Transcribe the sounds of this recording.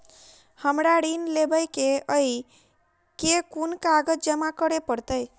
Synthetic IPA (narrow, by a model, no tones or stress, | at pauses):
həmɾaɽinlebəjkeəi | kekunkaɡət̪̚d͡ʒəmakəɾepəɾt̪əj